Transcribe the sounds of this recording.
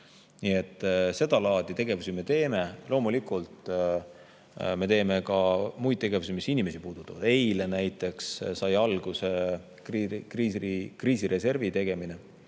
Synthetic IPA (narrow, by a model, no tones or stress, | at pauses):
nie̞t̪ːˑse̞d̪ɑlɑːd̪̥it̪e̞ɡ̥e̞vusime̞t̪e̞ːme̞lo̞ːmulikˑult̪ | me̞t̪e̞ːme̞kɑmujt̪̚t̪e̞ɡ̥e̞vusimisinime̞sipuːd̪ut̪ːˑɑvɑd̪e̞jlenæjt̪ːˑe̞kssɑjɑlɡ̥use̞ | kikriːikriːsiɾʔe̞se̞rvit̪e̞ɡ̥e̞mine̞